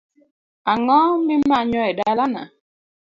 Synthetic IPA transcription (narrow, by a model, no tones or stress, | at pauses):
aŋɔmimaɲɔɛdalana̰